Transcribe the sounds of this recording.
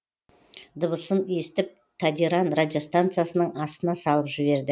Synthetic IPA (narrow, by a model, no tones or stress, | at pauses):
d̪əβəsəne̞st̪ɪp̚ | t̪ʰad̪iɾanrad̪ʲijo̞st̪ant̪sɨjasənəɴɑst̪ənɑsɑlˠəpʒɪβe̞ɾd̪ɪ